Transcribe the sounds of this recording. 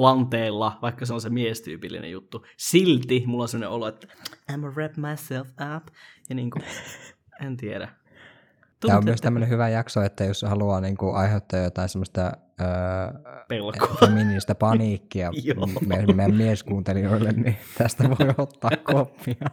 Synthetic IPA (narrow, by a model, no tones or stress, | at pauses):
lɑnt̪eːlːɑʋɑikːɑseonsemiest̪y̰ːpilːḭnḛjut̪ːusilt̪imulːonseməonḛʔoluet̪ːæ̥æmoræpmɑjselfæpjɑniːŋku | ʔent̪ieɾæ | t̪æːommyøst̪æmːønehyʋæjɑksoet̪ːæjoshɑluɑːniːŋkuʔɑiheut̪ːɑjɑjot̪ɑˑinsemːəst̪ɑ | øːpelkofeminiist̪æpɑniːkːiɑmmːæmmieskuːnt̪elioilːennit̪æst̪æʋoiot̪ːɑːkkopːiɑ